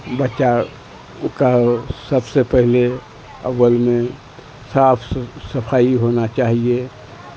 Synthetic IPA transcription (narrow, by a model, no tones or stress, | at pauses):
bətːʃa | kasəbsepəɦɪle | ə̰ʋəlmẽ | saːpʰsəpʰaːiɦoːnat͡ʃaːɦie